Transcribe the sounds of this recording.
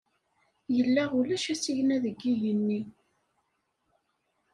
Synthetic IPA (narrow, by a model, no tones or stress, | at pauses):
jəlːæʁulæʃæsiʝnæðəɡːijənːi